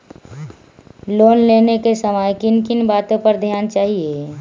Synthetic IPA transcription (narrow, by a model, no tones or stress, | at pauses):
loːnleːnekesəmajkɪnkɪnbaːt̪õpəɾd̪ʱjaːnt͡ʃaːɦieː